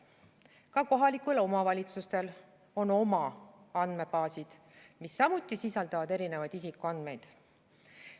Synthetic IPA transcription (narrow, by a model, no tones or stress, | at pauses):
kɑko̞ɦɑlikulo̞mɑvɑlʲit̪sust̪e̞l | o̞no̞mɑɑnd̪me̞pɑːsid̪̥ | misːɑmut̪ːˑisisɑld̪̥ɑvɑd̪̥e̞ɾine̞vɑjd̪isikuɑnd̪̥me̞jd̪̥